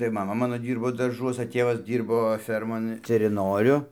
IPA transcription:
tɐɪ mɐˈmɐ ˈmɑːnoː ˈdʲiːrboː dɐrˈʒuɔsɐ ˈtʲeːʋɐs ˈdʲiːrboː ˈfʲɛrmoːn tʲɛrʲɪˈnoːrʲʊ

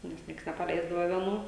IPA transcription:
nʲɛs ˈnʲiɛks nʲɛpɐˈlʲɛɪzdɐʋɐ ʋʲiɛˈnuː

